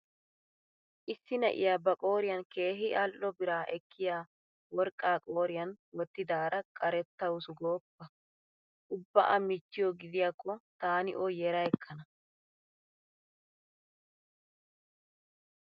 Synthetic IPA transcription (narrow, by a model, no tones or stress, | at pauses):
ʔɪsːɪnɐ̰ʔɪ̰jaːbɐkʼo̞ːɾɪjɐnke̞ːɦɪʔɐlʔɔbɪɾaːʔɛkʰːɪjaː | wɔɾkʼːaːkʼo̞ːɾɪjɐnwɔt̪ːɪd̪aːɾɐkʼɐɾɛt̪ːɐwʊsʊɡoːpːɐ | ʔʊbːɐʔɐmɪt͡ʃːɪjɔɡɪd̪ɪjakːɔt̪aːnɪ̰ʔɔjɛɾɐjɛkʰːɐnɐ